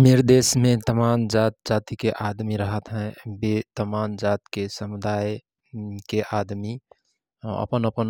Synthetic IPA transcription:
niɾd̪esmẽt̪əmand͡ʒat̪̚d͡ʒat̪ikeʔad̪miɾəɦət̪ɦɛ̃bet̪əmand͡ʒat̪kesəmud̪aj | keʔad̪mi | ə̰pənəpən

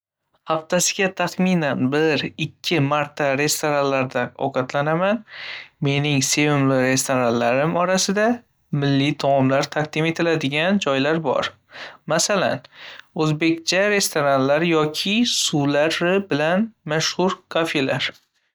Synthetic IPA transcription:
haft̪ʰasɪɡʲat̪ʰaχminanbɪɾɪkʲʰːɪmaɾt̪ʰaɾe̞st̪ʰoɾanlaɾd̪aɒ̰qʰat̪ʰlanamanme̞nɪŋse̞vɪmlɪɾe̞st̪ʰoɾanlaɾɪmɒɾasɪd̪a | mɪlːɪt̪ʰɒmɒmlaɾt̪ʰaq̚d̪ɪme̞t̪ʰɪlad̪ɪɡʲand͡ʒɒjlaɾbɒ̰ɾ | masala̰nɵzbe̞kʲt͡ʃʰaɾe̞st̪ʰoɾanlaɾjɒkʲʰɪsulaɾɪbɪlanmaʃhʊɾkʰofe̞laɾ

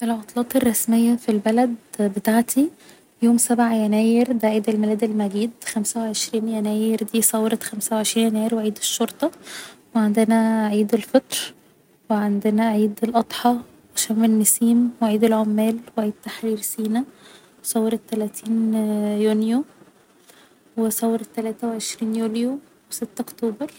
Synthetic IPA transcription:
ʔelʕot̪ˤlɑːt̪ˤerˤːɑsmejːæfilbælæd̪bet̪aːʕt̪ʰi | joːmsæbʕajænæːjeɾd̪æʔʕiːd̪elmælæːd̪elmæɡiːd̪xæmsæweʕeʃɾiːnjænæːjeɾd̪iːsˤɑwːeɾet̪xæmsæwʕeʃɾiːnjænæːjeɾweʕiːd̪eʃːoɾˤt̪ˤɑweʕend̪enæʕiːd̪elfet̪ˤɾ | weʕend̪enæʕiːd̪elʔɑt̪ˤħɑ | weʃæmːenːesiːmweʕiːd̪elʕomːæːlweʕiːd̪̥̚t̪aħɾiːɾsiːnæ | wsˤɑwːeɾˤet̪ːælæːt̪ʰiːnjunjo | wesˤɑwːeɾet̪ːælæːt̪æweʕeʃɾiːnjuljo | weset̪ːʔokt̪oːbɑɾˤ

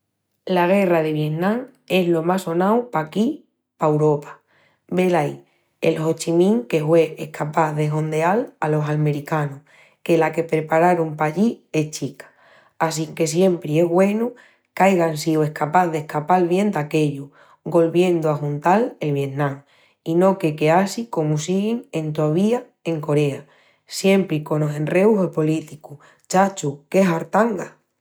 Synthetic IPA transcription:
laɣ̞e̞rað̞e̞β̞je̞nnãŋ | e̞zlo̞maso̞nawpaki | paewɾo̞pḁ | be̞laj | ḛlho̞t͡ʃimĩŋke̞hwe̞ehkʰapaθðe̞ɦo̞nd̪ealalo̞salme̞ɾikano | ke̞lake̞pɾe̞paɾaɾompaʎie̞ht͡ʃikḁ | as̬iŋke̞s̬je̞mpɾie̞ɦβwe̞nu | kajɣ̞ansioe̞hkapaððe̞hkapalβje̞nd̪ake̞ʎu | ɡo̞lβje̞nd̪oaxunt̪ale̞lβ̞je̞nnãŋ | ino̞ke̞ke̞asiko̞musiɣiŋe̞nt̪oaβ̞ia | e̞ŋko̞ɾe̞a | sje̞mpɾiko̞nose̞nre̞uɦelpo̞lit̪iku | t͡ʃat͡ʃuke̞saɾt̪aŋɡa

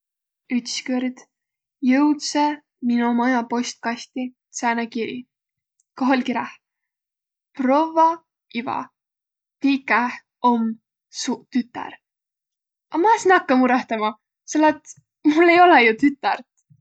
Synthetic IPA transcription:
yt̪skøɾd̪̥ | jɤwt̪se | minumɑjɑpo̞st̪̚kɑst̪it̪sæːnekiɾḭ | koɦolʲkiɾɑh | pro̞vɑ | ivɑ̰ | t̪ikːæh | om | sut̪yt̪ːˑɑ̰ɾ | ʔɑmɑsinɑkːɑmuɾɑht̪ɑmɑ | selːɑt̪ | mulːe̞jo̞lejut̪yt̪ːˑɑrt̪

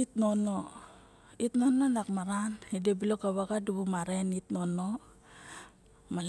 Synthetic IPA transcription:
itno̞no | itno̞nonakmaɾanidebilokaβaɡaduβumaɾenitno̞no̞ | mal

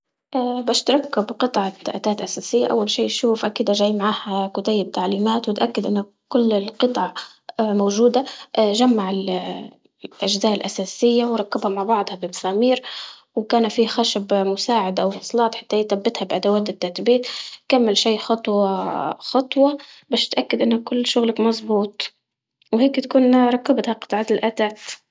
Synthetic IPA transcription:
ʔaːbaʃt̪ɾˤɑkːabqɨt̪ˤʕɑʔa̰t̪aːt̪ʔasaːsɪjːa̰ʔa̰wːalʃiːʃuːfʔakiːd̪aʒaːjmaʕaːhakʊt̪ajːɪb̚t̪aʕliːmaːt̪wɪt̪ʔakːɪd̪ʔɪnːa | kʊlːɪlqɨt̪ˤʕɑ | moːʒuːd̪aʔʒamːaʕɪl | ʔaʒzaːʔɪlʔasaːsɪjːawɾˤɑkːabhamaʕbɑʕd̪ˤhɑbɪmasaːmiːɾ | wkaːnfiːxaʃabmʊsaːʕɪd̪ʔawwɑsˤlɑːt̪ˤħḁt̪ːajiːt̪abːɪt̪habʔad̪awaːt̪ɪt̪ːat̪biːt̪kamːalʃeːxɑt̪ˤwɑxɑt̪ˤwɑbaʃt̪ʔakːad̪ʔɪnːakʊlːʃʊɣlakmɑzˤbuːt̪ˤ | wheːkt̪akuːnɾˤɑkːabt̪haqɨ̥t̪ˤʕɑt̪ɪlʔaːt̪aːt̪

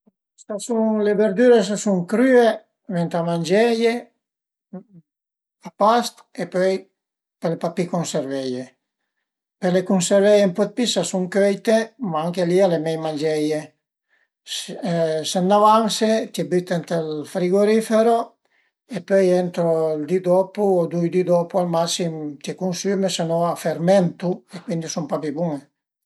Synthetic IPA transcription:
sasuŋlebeɾd̪yɾes̬asuŋkɾye | vɛnt̪amand͡ʒɛje | apast̪epøj | pelepapikonseɾvɛje | pelekunseɾvɛjempɔt̪̚pisasuŋkøjt̪emaaŋkelialemɛjmand͡ʒɛje | senːavanset̪jɛbyt̪ːent̪elfɾiɡoɾifeɾo | epːøjent̪ɾold̪id̪opuod̪ujd̪id̪opualmasimt̪jɛkunsymesenoaferment̪uekwind̪isumpapibuŋe

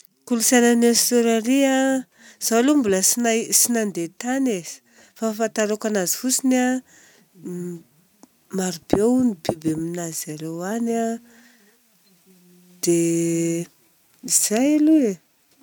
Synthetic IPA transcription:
kulusananesuɾaɾia | z̥alumbuləsinasinand̪et̪anez̥i̥ | fafat̪aɾakanazi̥fusina | maɾub̥ewnibibeminazaɾewana | d̪̥e | iz̥ajalue

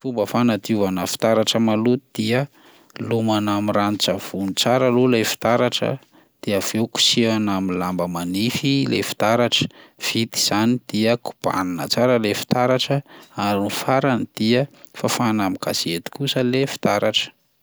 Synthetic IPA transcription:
fumbəfanat̪iuvanəfi̥t̪aɾaʈ͡ʂəmalut̪d̪̥iə | lumanamiranit͡ʃav̥unit͡saɾəlulefi̥t̪aɾaʈ͡ʂə̰ | d̪̥iəv̥euku̥sianamilambəmanifilḛfi̥t̪aɾaʈ͡ʂə̥v̥it̪i̥z̥anid̪̥iəku̥b̥a̰ninə̰t͡saɾəlefi̥t̪aɾaʈ͡ʂəaɾinifaɾanid̪̥iə | fafanamika̰siet̪i̥kusəlefi̥t̪aɾaʈ͡ʂə̥

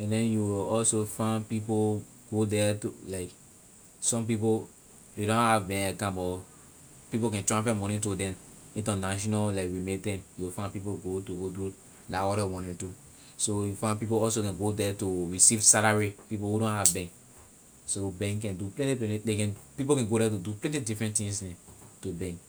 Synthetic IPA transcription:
ɛ̃ndɛ̃njuwilɔlsofãɪnpipo | ɡ̥odɛtulaɪk | sɔ̃mp̬ipo | dedõnhavbɛ̃nakãmbɔ | pipokɛ̃ntɹãmpɛmɔ̃nĩtodɛ̃m | ĩtɔ̃naʃ̬ɔnalaɪkɹimetɛ̃njuwifãnpipoɡotuɡodu | laɔɾɛmɔ̃nɛ̃ntu | sojufãɪ̃npip̬oɔls̬okɛ̃nɡodɛtuɹisivsalaɹipipohudɔ̃nhavbɛ̃ŋk | sobɛ̃ŋkk̬ɛ̃nduplɛ̃ntiplɛ̃nidekɛ̃npip̬okɛ̃nɡoɾɛt̬uduplɛ̃ntidifɹɛ̃ntĩŋsɛ̃tubɛ̃ŋk

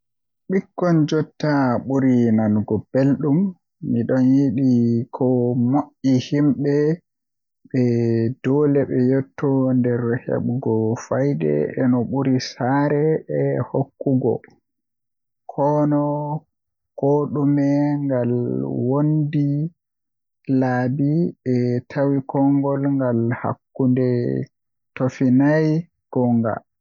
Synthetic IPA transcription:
ɓikːɔnd͡ʒɔtːaɓuɾinanɡɔb̥elɗumː | iɗɔnjiɗikʰɔmoʔihimɓɛ | ɓɛd̥ɔːlɛɓɛjɔtʰːɔndɛɾhḛɓuɡɔfajdɛ̰ɛnɔɓuɾisaɾɛɛhokːuɡɔ̰ | kʰɔnɔ | koɗumɛŋɡalwondi | laːbiɓɛtʰawikʰɔŋɡɔlŋɡalha̰kːundɛ | tofinaj | ɡ̥ɔŋɡa̰

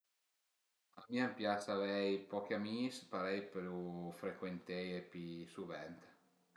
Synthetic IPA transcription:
a̰miːampjat̪savɛjpɔk̟amispaɾɛjplufɾekwent̪ɛjepisuvɛnt̪

